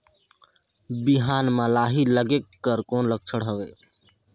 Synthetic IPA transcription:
biɦaːnmãlaːɦiləɡekːəɾkoːnləɡ̚t͡ʃʰəɽɦəʋeː

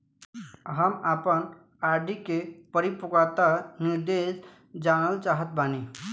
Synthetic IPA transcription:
ɦəmapən | aɾɖikepəɾipukat̪aniɾd̪es | d͡ʒanəlt͡ʃaɦət̪̚bani

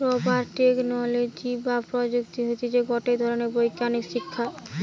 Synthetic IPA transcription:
pɾɔbaɾʈeknɔlod͡ʑibapɾod͡ʑukt̪iɦot̪id͡ʑeɡɔʈeɾd̪ʱɔɾoneɾbojkːanikʃikʰːa

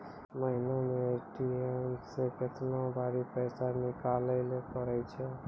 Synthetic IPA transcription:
məɦɪnamẽʈiemsekɪt̪nõbʱaːɾipɛːsanɪkaːləlepəɾɛt͡ʃʰɛ

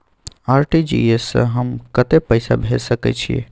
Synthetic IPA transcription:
aɾʈid͡ʒḭesə̰̃ɦəmkət̪epəɪsa̰bʱesəkɛ̰t͡ʃʰiḛ

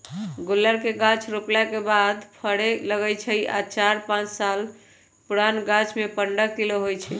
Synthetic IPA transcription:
ɡolːəɾkeɡãt͡ʃʰɾoklakebad̪pʰəɽeləɡət͡ʃʰəja̰t͡ʃaɾpãt͡ʃsal | puɾanɡat͡ʃʰmepəɳɖəktiloɦojt͡ʃʰɛ

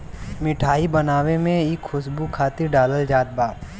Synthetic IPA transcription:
mɪʈʰaːibɐnaːwemẽɪkʰxʊsbukʰaːt̪ɪɾɖaːləld͡ʒaːt̪̚baː

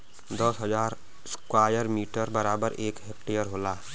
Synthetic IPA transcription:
d̪əsɦəd͡ʒaːɾ | skwaːjəɾmiːʈəɾbəɾaːbəɾeːkɦek̚ʈejəɾɦoːlaː

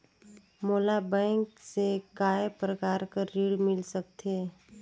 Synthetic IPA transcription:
moːlabɛ̃ːŋksekaːepɾəkaːɾkaɾiɽmɪlsək̚t̪ʰe

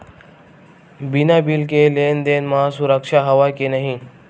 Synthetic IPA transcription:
binaːbilkeleːnd̪eːnmãːsʊɾəkʃaːɦɐʋaːkenəɦĩː

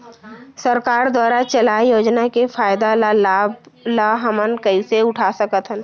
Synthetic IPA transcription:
səɾkaːɾd̪waːɾat͡ʃəlaːjoːd͡ʒnakefaːjd̪alalaːblaɦɐmənkəiseʊʈʰasəkət̪ɦən

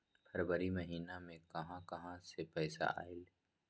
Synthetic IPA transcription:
fʰɐɾbəɾimɐɦiːnamẽkɐɦãkɐɦãsepɛːsa̰a̰ːɪl

